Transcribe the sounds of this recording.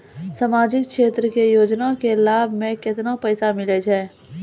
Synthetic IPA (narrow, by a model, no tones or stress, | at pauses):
samaːd͡ʒɪkkʃeːt̪ɾəkejoːd͡ʒnakelaːbʱmẽkɪt̪napəjsamɪled͡ʒɛː